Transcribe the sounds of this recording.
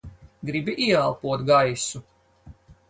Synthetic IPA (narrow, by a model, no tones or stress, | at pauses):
ɡɾibiʔiɛalˠpuɔt̪ɡajsu